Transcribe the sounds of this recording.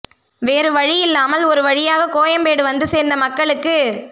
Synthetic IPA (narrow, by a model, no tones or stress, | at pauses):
ʋeːɾɯʋɐɻɪjɪlːaːmɐlɔɾɯʋɐɻɪjaːɣɐkoːjɐmpeːɽɯʋɐnd̪ɯseːɾnd̪ɐmɐkːɐɭɯkːɯ